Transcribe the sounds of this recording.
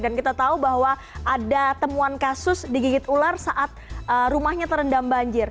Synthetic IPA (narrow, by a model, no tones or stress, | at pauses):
dankit̪at̪aubaɦwa | ʔadat̪əmuankasʊsdiɡiɡɪt̪ularsaʔat̪̚ərumahɲat̪əɾəndambaɲd͡ʒɪr